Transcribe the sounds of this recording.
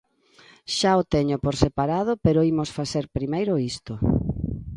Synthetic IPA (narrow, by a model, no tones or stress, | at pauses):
ʃaot̪eɲʊpoɾsepaɾað̞ʊpeɾoimosfaθeɾpɾimejɾʊist̪ʊ